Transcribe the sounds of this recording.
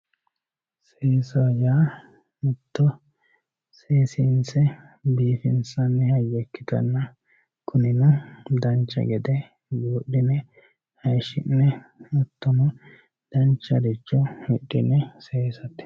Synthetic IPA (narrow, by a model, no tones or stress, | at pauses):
seːsɐjaː | mʊt̪ːɔ | seːsinsɛ | biːfɪnsɐnːɛhɐjːɛkːɪt̪ɐ̰nːɐ | kʰʊnɪnɐd̪ɐnt͡ʃːɐ̰ɡɛd̪ɛ | juːɗːɪnɛ | hɐjʃɪnːɛɔt̪ːɔnɔ | d̪̥ɐnt͡ʃːɐd̪ɪt͡ʃːɔhɪɗːɪnːɛseːsɐt̪ːɛ̥